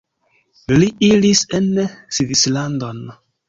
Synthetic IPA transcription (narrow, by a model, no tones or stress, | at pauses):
liilisensivislandon